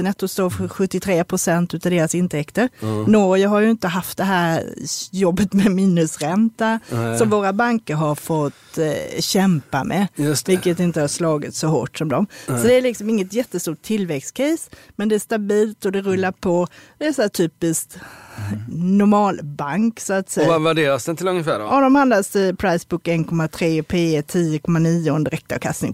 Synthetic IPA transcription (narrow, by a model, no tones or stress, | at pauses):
ənɛt̪ːɔst̪oːɾfɧɵt̪ːɪt̪ʰɾeːpʰɾʊsɛnt̪ʉ̟ːt̪ad̪eːɾasɪnt̪ʰɛkt̪əɾnɔɾjəɦaɾjɵɪnt̪əɦaft̪̚d̪ɛɦæːɾjɔbːət̪mɛmiːnɵsɾɛnt̪asɔmvoːɾabaŋkəɾɦaɾfɔt̪ːɕɛmpa̰mʔɛ̰vɪlkːət̪ɪnt̪əhaɾʂlɑːɡɪt̪sɔɦo̰ːʈsɔmd̪ɔmsɔd̪ɛæɾɭɪksɔmɪŋːət̪jɛt̪ːəst̪uːʈʰːɪlːvɛkstkʰɛsmɛnd̪ɛæʂt̪abiːlt̪ɔd̪ɛɾɵlːaɾpʰɔd̪̥ɛæsaæːʈ̪ʰyːpɪskt̪ | nʊɾmɑːlbaŋksɔat̪sɛjavæɖeːɾasd̪ɛnt̪ɪlɵŋəfæ̰ːɖ̰ɔd̪ɔmand̪asɪpʰɾaɪsbʊkɛnkʰɔmːat̪ʰɾeːpʰeːt̪ʰiːəkʰɔmːaniːʊɛnd̪əɾɛk̚t̪ʰa̰vkʰast̪ɪ̰ŋ